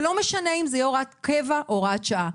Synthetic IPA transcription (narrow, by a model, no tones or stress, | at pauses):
lo̞meʃaneimzejeoʁat̪kevaʔoʁat̪ʃaa